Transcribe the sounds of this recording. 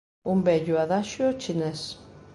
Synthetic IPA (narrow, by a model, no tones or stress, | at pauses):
umbɛʎʊaðaʃʊot͡ʃinɛs